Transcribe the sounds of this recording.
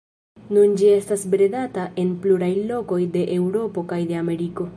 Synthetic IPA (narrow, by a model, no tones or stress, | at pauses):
nund͡ʒie̞stasbɾedataʔe̞npluɾajlo̞ko̞jde̞ʔewɾo̞po̞kajde̞ame̞ɾiko̞